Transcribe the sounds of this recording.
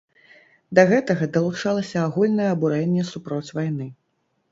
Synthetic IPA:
d̪ɐɣɛt̪ɐɣɐd̪ɐlˠut͡ʂalˠɐsʲɐːɣulʲnɐjɛɐbuɾɛnʲːɛsupɾɔt͡sʲvajnɨ

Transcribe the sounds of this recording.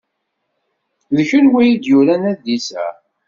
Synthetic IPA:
ðəçənwæjid̪juɾænæd̪isæ̰

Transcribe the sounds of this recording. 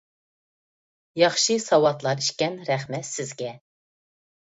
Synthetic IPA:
jɑχʃisɑwɑt̪lˠɑɾiʃkʲɛnɾɛχmɛt̪sɨzɡʲɛ

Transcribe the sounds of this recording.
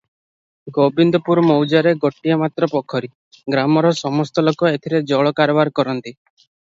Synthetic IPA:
ɡobind̪ɔpuɾɔmɔwd͡ʒaɾeɡoʈiɔmat̪ɾɔpɔkʰɔɾi | ɡɾamɔɾɔsɔmɔst̪ɔlokɔet̪ʰiɾed͡ʒɔɭɔkaɾɔbaɾkɔɾɔnt̪i

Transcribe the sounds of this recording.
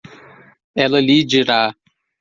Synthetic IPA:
ɛlɐlid͡ʒiɾa

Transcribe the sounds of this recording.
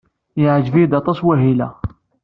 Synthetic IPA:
jəʕʒvid̪ɑt̪ˤːɑswæɦilæ

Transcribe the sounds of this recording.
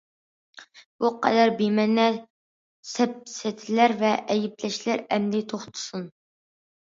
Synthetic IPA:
b̥uqæ̰d̪æɾbimɛnːɛ | sɛp̚sɛt̪ʰɪlæɾvɛʔɛjɪplɛʃlæɾɛmlɪt̪ʰoχt̪ʰʊ̥sun

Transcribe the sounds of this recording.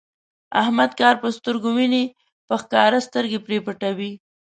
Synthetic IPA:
a̰hmad̪kɑɾpəst̪əɾɡomine | pəxkɑɾast̪əɾɡepɾepəʈawi

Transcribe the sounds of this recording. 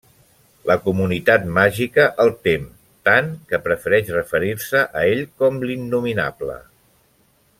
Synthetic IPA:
ləkumunit̪at̪maʒikəʔəlˠt̪em | t̪aŋkəpɾəfəɾɛʃrəfəɾiɾsəʔəeʎkɔmlinːumina̰blə̰

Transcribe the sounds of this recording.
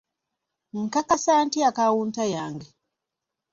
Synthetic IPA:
ŋ̩kakasaːntiakawuːntajaːŋɡe

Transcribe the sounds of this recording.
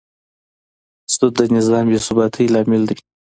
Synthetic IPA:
st̪ut̪̚d̪ənɪzɑːmbesʊbɑt̪ʰijlɑːmɪld̪ə

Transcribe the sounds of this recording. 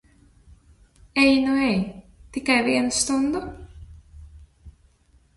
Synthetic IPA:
ɛjnuɛjt̪ikajviɛnst̪und̪ʊ

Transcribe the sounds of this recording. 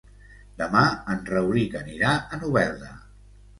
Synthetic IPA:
d̪əmaənrəwɾikəniɾaənuβɛlˠd̪ə

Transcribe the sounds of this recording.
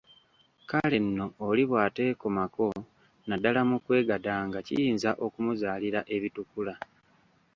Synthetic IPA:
kale̞nːo̞ːliβwaːte̞ːkomako̞ | nadalamukwe̞ːɡadaːŋɡacḭjiːnzaʔo̞kumuzaːliɾaʔe̞βitukula

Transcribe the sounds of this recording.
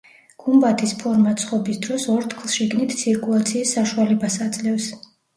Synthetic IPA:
ɡ̥umbat̪ʰispʰɔɾmat̪sʰχɔbisd̪ɾɔsɔɾt̪ʰkʰlˠʃiɡnit̪ʰt̪sʰiɾkʼulˠat̪sʰiːsːaʃualɛbasad̪zʼlɛfs

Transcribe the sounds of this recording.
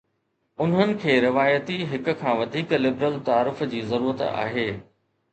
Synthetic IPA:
ʊnɦənɪ̆kʰeːɾɪʋaːjət̪iɦɪkʊ̆kʰãːʋɐd̪ʱiːklɪbɾəlt̪aːɾɪfd͡ʑiːzɐɾuːɾət̪a̰ːɦeː

